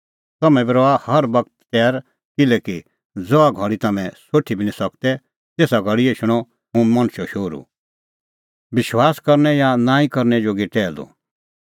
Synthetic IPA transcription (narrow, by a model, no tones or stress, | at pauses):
t̪ɐmɛ̃biɾɔahɐɾbɐk̚t̪ːɛːɾ | kɪlɛːki | d͡zɔaɡʱɔ̃ɽ̃it̪ɐmɛ̃soːʈʰibʱinĩsɐkt̪ɛ | t̪eːsaɡʱɐɽieʃʊɽ̃ɔ | ɦũmɐ̃ñʃɔʃoːɾṵ | bɪʃwaːskɐɾnɛjanãːĩkɐɾnɛd͡ʒoːɡiʈɛːlo̰